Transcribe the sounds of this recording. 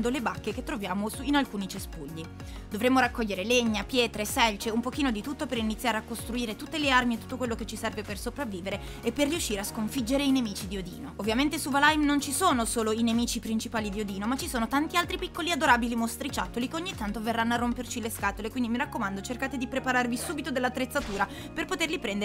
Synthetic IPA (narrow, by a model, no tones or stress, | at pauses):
nd̪olebakːeket̪ːɾovjaːmosuinalkuːnit͡ʃespuʎːi | d̪ovɾemːoɾakːɔʎːeɾeleɲːapjɛːt̪ɾesɛlt͡ʃeumpokiːnod̪it̪ut̪ːopeɾinit̪sːjaːɾeakːost̪ɾuiːɾet̪ut̪ːelearmiet̪u̥t̪ːokwelːoket͡ʃːisɛrvepersopɾavːiːveɾe | epːerːiuʃːiːɾeaskoɱfid͡ʒːeɾeinemiːt͡ʃid̪iod̪ḭːnoovːjament̪esuvalajmnont͡ʃisoːnosoːloinemiːt͡ʃipɾint͡ʃipaːlid̪iod̪iːnomat͡ʃːisoːnot̪ant̪ialt̪ɾipikːoliad̪oɾaːbilimost̪ɾit͡ʃat̪ːolikeoɲːit̪ːant̪overːanːoarːompert͡ʃileskaːt̪olekwind̪imiɾakːomand̪ot͡ʃerkaːt̪ed̪ipɾepaɾarvisuːbit̪od̪elːat̪ːɾet̪sːat̪uːɾa | perpot̪erlipɾɛnd̪